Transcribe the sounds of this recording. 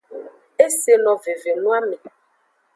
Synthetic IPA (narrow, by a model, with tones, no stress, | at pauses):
e˦se˨lɔ̃˨ve˨ve˨nũ˦a˦mẽ˨